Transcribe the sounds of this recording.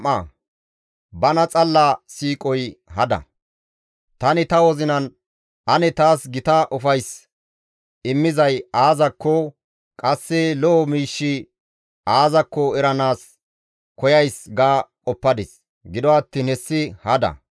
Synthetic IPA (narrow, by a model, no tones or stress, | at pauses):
ɐ | bɐnɐt͡sʼɐlːɐsiːkʼɔjhɐd̪ɐ̰ | t̪ɐnɪt̪ɐwɔzɪnɐn | ʔɐnɛt̪aːsɡɪt̪ɐʔɔfɐjs | ɪmːɪzɐjaːzɐkːɔ | kʼɐsːɛlɔʔɔmiːʃːɪ | aːzɐkːɔɛɾɐnaːs | kɔjɐjsɡaːkʼɔpːɐd̪ɪs | ɡɪd̪ɔɐt̪ːiːnhɛsːɪhɐd̪ɐ̰